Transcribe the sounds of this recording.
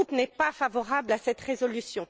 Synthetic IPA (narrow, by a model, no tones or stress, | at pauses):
upnɛpafavɔʁablasɛt̪ʁezɔlysjɔ̃